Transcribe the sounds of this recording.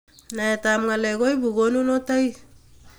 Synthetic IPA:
naetamŋaleɡojbuɡonunotaj

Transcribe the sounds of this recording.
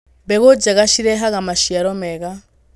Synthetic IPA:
bɛɣod͡ʒaɣaʃiɾɛɦaɣamaʃiaɾɔmɛɣa

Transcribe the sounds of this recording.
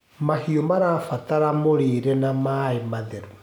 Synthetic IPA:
mahiomaɾaːfataɾamoɾeːɾɛnamaemaðeɾu

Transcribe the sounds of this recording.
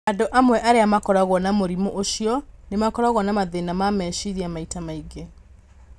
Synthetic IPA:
adoʔamwɛʔaɾeamakɔɾaɣwɔnamoɾimoʔoʃiɔnemakɔɾaɣɔnamaðenamamɛːʃiɾiamaitamaiɡe

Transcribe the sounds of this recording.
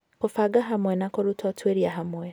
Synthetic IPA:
kɔfaɡaɦamɔɛnakɔɾutʰatwɛɾiaɦamɔɛ

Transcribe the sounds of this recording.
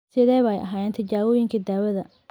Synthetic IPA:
sɪðɛːβɐɛjʔɐ̰ɦaːjɛːnt̪ʰɐt͡ʃaːwɔːjɪŋkʰid̪aːwɐðɐ

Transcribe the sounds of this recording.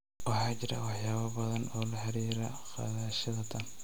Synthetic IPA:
wɑħaːd͡ʒɪɾɐ̰wɑħjaːβɐbɐðɐnɔːlaħaɾiːɾɐxɑ̰ðaːʃɐðɐt̪ʰɐn

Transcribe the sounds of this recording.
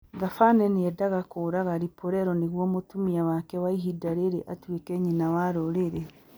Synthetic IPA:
ŋɡafanɛneɛdaɣakoːɾaɣaɾipoɾɛɾɔneɣwɔmotumiawakɛwaiɦidaɾeɾeʔatwekɛɲinawaɾoɾeɾɛ

